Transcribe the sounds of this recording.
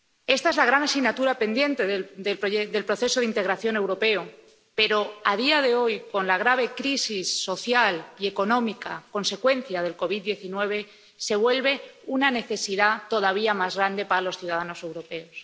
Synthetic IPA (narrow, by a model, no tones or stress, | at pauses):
e̞st̪aezlaɣ̞ɾanasiɣnat̪uɾape̞nd̪je̞nt̪e̞ðeðelpoeðe̞lpɾo̞θe̞soðint̪e̞ɣɾaθjo̞ne̞wɾo̞pe̞o | pe̞ɾo̞að̞iaðe̞o̞jko̞nlaɣ̞ɾaβ̞e̞kɾisisːo̞θjalie̞ko̞nõ̞mikako̞nse̞kwe̞n̟θjað̞e̞lko̞β̞it̪̚d̪je̞θinwe̞β̞e̞ | se̞β̞we̞lβe̞unane̞θe̞siðat̪o̞ð̞aβiamazɣɾand̪e̞paɾalo̞sθjuð̞aðano̞se̞wɾo̞pe̞os